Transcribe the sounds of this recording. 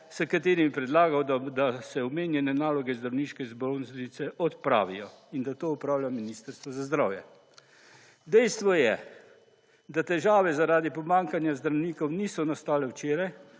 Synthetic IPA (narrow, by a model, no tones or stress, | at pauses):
səkat̪eːɾimipɾɛd̪laːɡawd̪ad̪asɛɔmeːnjɛnɛnaːlɔɡɛzd̪ɾawniːʃkɛzbɾonznisɛʔɔt̪pɾa̰ːʋijɔind̪at̪oːupɾaːwlʲjaminiːst̪əɾst̪ʋɔzazd̪ɾawjɛ̰ | d̪ɛjst̪ʋɔjɛ | d̪at̪ɛʒaːʋɛzaɾaːd̪ipɔmaːŋkanjazd̪ɾawniːkɔwniːsɔnast̪aːlɛwt͡ʃeːɾaj